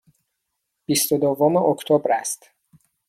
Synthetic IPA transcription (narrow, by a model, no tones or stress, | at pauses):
b̥ist̪od̪ovomeʔokt̪ʰobɾæst̪